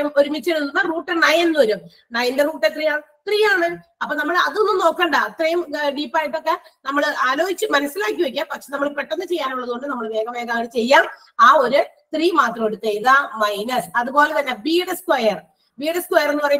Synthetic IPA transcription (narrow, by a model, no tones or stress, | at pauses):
ɐmo̞ɾumit͡ɕːeɽunːunːɐruːʈːenɐjenːuʋɐɾum | nɐjɐnde̞ruːʈːet̪rijaːɳɨ | t̪rijaːɳɨɐpːoːnɐmːɐɭɐðonːɨmno̞ːkːɐːɳɖɐɐt̪rɐjumɖiːpːaːjiʈːo̞kːe̞nɐmːɐɭʔaːlo̞ːɡit͡ɕːɨmɐnɐsːilaːk̬ʲːuʋekʲːampɐkʂenɐmːɐɭpeʈːo̞nːɨt͡ɕe̞jːaːnuɭːɐðɨɣoɳɖɨnɐmːɐɭʋe̞ːɡɐme̞ːɡaːɳɨt͡ɕe̞jːaːm | aːo̞ɾu | t̪riːmaːt̪rɐmoɽut̪ːejðɐmɐjnɐsɐðubo̞ːletɐnːebiːɽeskwɐjɐr | biːɽeskwɐjɐrnːupɐrɐj